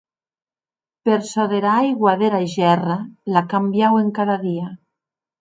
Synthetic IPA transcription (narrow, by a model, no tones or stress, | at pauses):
peɾsoðeɾajɣwaðeɾaiʒɛralakambjaweŋkaðaðia